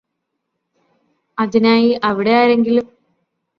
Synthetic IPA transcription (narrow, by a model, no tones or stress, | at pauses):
ɐðinaːjiʔɐʋiɽe̞jaːɾe̞ŋɡilum